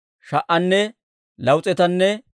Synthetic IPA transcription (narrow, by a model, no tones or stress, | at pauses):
ʃɐʔɐnːɛ | lɐwt͡sʼɛt̪ɐnːɛ